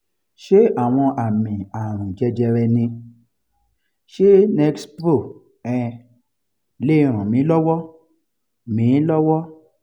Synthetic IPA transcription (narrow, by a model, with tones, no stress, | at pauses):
ʃe˦a˦˨w̃ɔ̃˧ʔa˨mĩ˨a˨ɾ̃ũ˨d͡ʒɛ˧d͡ʒɛ˧ɾɛ˧nĩ˧ | ʃe˦ne˦ksbɾo˦˨ | ɛ̃˧ | le˦˧˦ɾ̃ã˨mĩ˨˦lɔ˦wɔ˦ | mĩ˨˦lɔ˦wɔ˦